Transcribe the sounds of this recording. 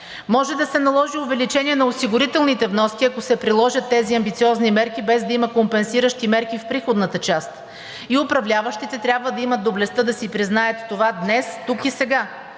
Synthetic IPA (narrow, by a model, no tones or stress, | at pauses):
mɔʒɛd̪ɐsɛnɐlˠɔʒiovɛlit͡ʃɛniɛnɐosiɡʊɾit̪ɛlˠnit̪ɛvnɔskʲiɐkosɛpɾilˠɔʒət̪ːɛziɐmbit̪siɔznimɛɾkibɛzd̪ɐimɐkompɛnsiɾəʃt̪imɛɾkifpɾixod̪nət̪ət͡ʃast̪ | iopɾɐvlʲavəʃt̪it̪ɛt̪ɾʲabvəd̪ɐimɐt̪̚d̪ːoblɛst̪ɤd̪ɐsipɾiznaət̪ːovad̪nɛst̪ukisɛɡa